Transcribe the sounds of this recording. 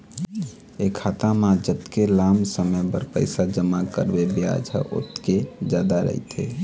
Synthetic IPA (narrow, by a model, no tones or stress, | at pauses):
ekʰat̪amãd͡ʒət̪kelamsəməjbəɾpəɪsad͡ʒəmakəɾbebja̰d͡ʒɦə̰ʔo̰t̪ked͡ʒjad̪aɾə̰ɦḭt̪ʰḛ